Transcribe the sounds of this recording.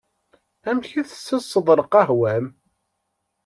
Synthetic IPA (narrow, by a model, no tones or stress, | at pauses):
æmçiθəsːəsˤːəðˤɾˤəqɑɦwæm